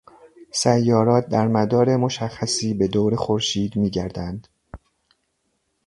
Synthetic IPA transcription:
sæjːɒːɾɒːt̪̚d̪æɾmæd̪ɒːɾemo̞ʃæxːæsiːbe̞d̪oːɾexoɾʃiːd̪miːɟæɾd̪ænd̪̥

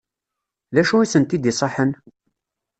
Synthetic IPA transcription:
ðæʃuisənt̪id̪isˤɑħən

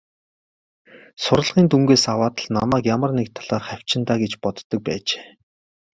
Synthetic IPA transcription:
sʊɾə̆ɮʁiːnt̪uŋɡeːsawaːt̪ə̆ɮna̰mæːkjamə̆rnekt̪ʰaɮaːrχæw̥ʲt͡ɕɪ̆nt̪aːɡet͡ɕpɔt̪ːɞ̆k̚pæ̰ːt͡ɕe̥ː

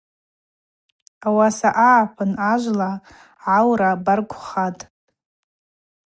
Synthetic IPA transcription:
awasaʔaʕapʰanaʒʷla | ʕawɾabarkʷʰʼχatʼ

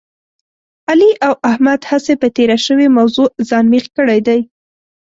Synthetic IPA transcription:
aliʔawʔahmad̪hasepət̪eɾaʃəwemawzozɑnmixkəɽajd̪aj

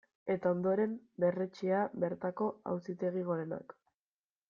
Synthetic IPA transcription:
e̞t̪ao̞nd̪o̞ɾe̞mbe̞re̞t͡ʃeaβe̞ɾt̪ako̞a̰wsit̪e̞ɣ̞iɣ̞o̞ɾe̞na̰k

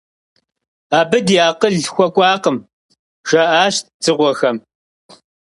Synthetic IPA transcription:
aːbɨdjaːqəɮxʷɔkʷʼɑːqəm | ʒ̥ɐʔaːɕt̚t͡sɨʁʷɔxɐm

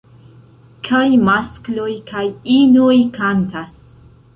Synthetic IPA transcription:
kʰajmasklujkʰajinujkant̪as

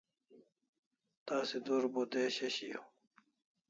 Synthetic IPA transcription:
t̪aːsed̪uɾbod̪eːɕeɕijo̰

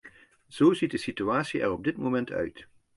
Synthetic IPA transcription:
z̥owzit̚dəsityaːtsiɛ̰rɔb̚dɪtmomɛntʰœ̰ɥt

